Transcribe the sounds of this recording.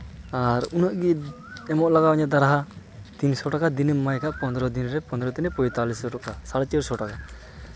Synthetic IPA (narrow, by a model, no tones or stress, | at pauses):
aɾunəʔɡi | ɛmɔʔlaɡawɲad̪aɾaɦa | t̪insɔʈakad̪inɛmajkaʔpɔnd̪ɾɔd̪inɾɛpɔ̃nd̪ɾɔt̪inɛpɔjt̪alisɔʈakasaɽt͡ʃəɾsɔʈaka